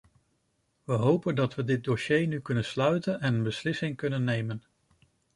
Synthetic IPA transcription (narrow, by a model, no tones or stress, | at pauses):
ʋəɦowpəndɑtʋədɪt̚doʃejnykɵnənslœɥtənɛnənbəslɪsɪŋkɵnənːejmən